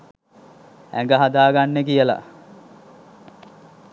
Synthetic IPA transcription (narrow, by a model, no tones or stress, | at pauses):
æ̰ŋɡəɦad̪aːɡanːekijəla̰